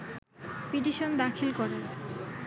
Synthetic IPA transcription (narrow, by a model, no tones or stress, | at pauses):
piʈ̬iʃond̪akʰilkɔɾen